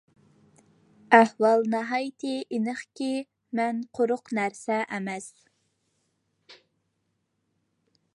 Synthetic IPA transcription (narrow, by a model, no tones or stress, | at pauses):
æhwɑlˠnɑɦɑjt̪ʰɪʔinəχkʲi | mɛnqʰoɾʊqnæɾsɛʔɛmɛs